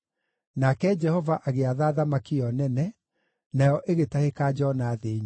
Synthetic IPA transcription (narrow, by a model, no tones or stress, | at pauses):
nakɛd͡ʒɛhɔvaʔaɣeaðaːðamakiɔnɛnɛ | najɔʔeɣetahekaːd͡ʒɔnaðeɲ